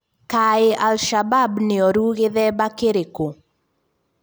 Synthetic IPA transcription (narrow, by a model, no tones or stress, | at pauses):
kaɪʔalʃababnɪɔɾuɣɪðɛbakeɾeko